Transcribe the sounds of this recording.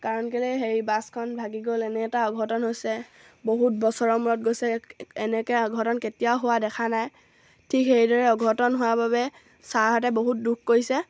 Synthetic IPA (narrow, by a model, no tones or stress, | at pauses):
kaɹɔnkelejɦeɹibaskʰɔnbʱaɡiɡolɛnɛtaɔɡʱɔtɔnɦojsɛ | boɦut̚bɔsɔɹɔmuɹɔt̚ɡojsɛɛnɛkɛɔɡʱɔtɔnketijaʊɦowadɛkʰanaj | tʰikɦeɹidɔɹɛɔɡʱɔtɔnɦowababɛ | saɹɦɔtɛboɦut̚dukkoɹisɛ